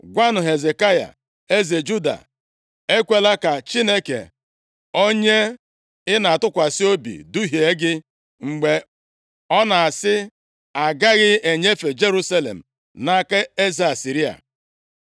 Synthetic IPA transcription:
ɡʷa˦nʊ˨ɦe˨ze˨ka˦ja̰˨ | e˦ze˨d͡ʒu˦da̰˨ | e˦kʷe˦la˦ka˨t͡ʃi˦ne˦kḛ˨ | o˦ɲe˦ | ɪ˦na˨a˨tʊ˦kʷa˨si˦o˦bḭ˨du˦ɦi˨e˦ɡɪ˦ | ŋ͡m̩˨ɡ͡be˨ | ɔ˦na˨a˨sɪ˦ | a˨ɡa˦ɣɪ˦e˨ɲe˦fe˨d͡ʒe˦ɾu˦sa˦lḛ˨m̩˨ | na˦ka˦e˦ze˨a˨si˨ɾi˦a̰˨

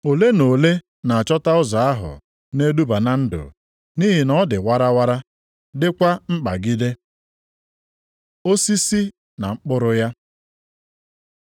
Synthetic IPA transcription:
o˨le˦no˨le˦ | na˨a˨t͡ʃɔ˦ta˦ʊ˦za˨a˦ɦʊ̰˨ | ne˦du˦ba˨na˦n̩˦dʊ̰˨ | ni˦ɦɪ˨nɔ˦dɪ˨wa˦ɾa˦wa˦ɾa˦ | dɪ˦kʷa˦ŋ͡m̩˦k͡pa̰˨ɡi˦de˦ | o˦si˦si˦ | na˨ŋ͡m̩˦k͡pʊ˦ɾʊ˦ja˦

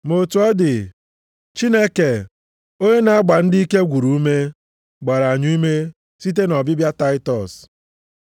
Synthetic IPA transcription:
mo˨tu˨ɔ˦dɪ˨ | t͡ʃi˦ne˦ke˨ | o˦ɲe˦na˨a˦ɡ͡ba˨n̩˦di˦i˦ke˦ɡʷu˨ɾu˨u˦me˦ | ɡ͡ba˨ɾa˨ɲu˦me˦ | si˦t̬e˦nɔ˨bɪ˦bja˦ta˦ɪ˦tɔ˨s

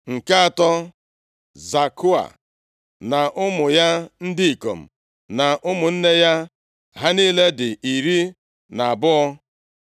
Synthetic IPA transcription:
ŋ̩˨ka˦a˨tɔ˦ | za˨kʊ˦a̰˨ | na˨ʔʊ˦mʊ˨ja˦n̩˦dɪ˦i˨ko̰˨m̩˨ | na˨ʔʊ˦mʊ˨n̩˦ne˦ja˦ | ɦa˦niː˦le˦dɪ˨ʔi˨ɾi˦ | na˨a˨bʊ˦ɔ˦

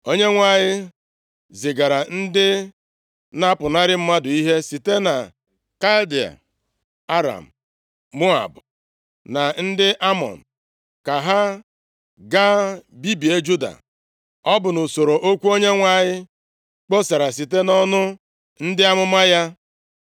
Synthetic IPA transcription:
o˦ɲe˦ŋʷa˨ɲɪ˦ | zɪ˨ɡa˨ɾa˨n̩˦dɪ˦ | na˦pʊ˨na˦ɾɪ˦m̩˦ma˦dʊ˨i˦ɦe˦si˨te˦na˨ | ka˦ldi˨a̰˨ | a˦ɾa̰˨m̩˨ | mʊ˦a̰˨bʊ˨ | na˨n̩˦dɪ˦ʔa˦mɔ̰˨n̩˨ | ka˨ɦa˦ | ɡa˦bi˦bi˨e˦d͡ʒu˦da̰˨ | ɔ˦bʊ˨nʊ˨so˨ɾo˨ʔo˦kʷu˦o˦ɲe˦ŋʷa˦ɲɪ˦ | k͡po˦sa˨ɾa˨s̬i˨te˦nɔ˦nʊ˦ | n̩˦dɪ˦a˦mʊ˦ma˦ja˦

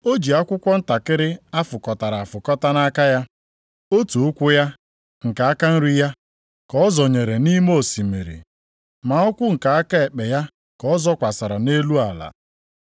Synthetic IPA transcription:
o˦d͡ʒi˨a˦kʷʊ˦kʷɔ˦n̩˦ta˨kɪ˦ɾɪ˦a˦fʊ˨kɔ˨ta˨ɾa˨a˨fʊ˨kɔ˦ta˦na˦ka˦ja˦ | o˦tu˨ʊ˦kʷʊ˦ja˦ | ŋ̩˨ka˨a˦ka˦n̩˦ɾi˦ja˦ | kɔ˦ɔ˦zɔ˨ɲe˨ɾe˨ni˦mo˦˨si˨me˨ɾḭ˨ | ma˨˦ɔ˦kʷʊ˦ŋ̩˨ka˨a˦ka˦e˨k͡pe˨ja˦ | kɔ˨˦ɔ˦zɔ˦kʷa˨sa˨ɾa˨ne˦lu˦a˨la̰˨

